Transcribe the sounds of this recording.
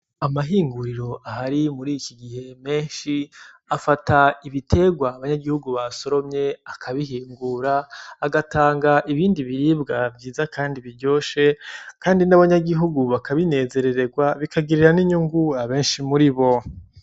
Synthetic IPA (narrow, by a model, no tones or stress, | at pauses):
amaɦiːŋɡuɾiɾo̞ʔaɦaɾimuɾiːkiɡihe̞me̞ːnʃi | afataiβitʰe̞ɡwaːβaɲaɡihuɡuβaso̞ɾo̞mɲe̞akʰaβiɦiːŋɡuɾaːɡatʰaːŋɡaʔiβiːndiβiɾiːbɡabɟiːzakaːndiβiɾɟo̞ːʃe̞kaːndinaβaɲaɡiɦuɡuβakaβine̞ːze̞ɾe̞ɾe̞ɡwaβikaɡiɾiɾaniɲuŋɡuaβe̞ːnʃimuɾiβo̞